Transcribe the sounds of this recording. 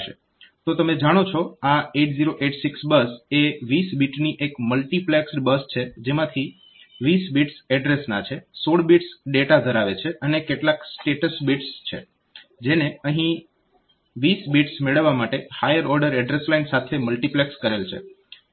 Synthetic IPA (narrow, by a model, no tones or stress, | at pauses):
ʃḛ | t̪ot̪əmed͡ʒaɽ̃ot͡ʃʰoaeʈziɾoʔeʈsiksbəseʋisbiʈniʔekməlʈipleksbəst͡ʃʰed͡ʒemãt̪ʰi | ʋisbiʈsɛɖɾesnat͡ʃʰesoɽbiʈsɖeʈad̪ʱəɾaʋet͡ʃʰeʔənekeʈlaksʈeʈəsbiʈst͡ʃʰḛ | d͡ʒeneəɦĩ | ʋisbiʈsmeɭəʋːamaʈehajəɾɔɾɖəɾɛɖɾeslainsat̪ʰeməlʈiplekskəɾelt͡ʃʰḛ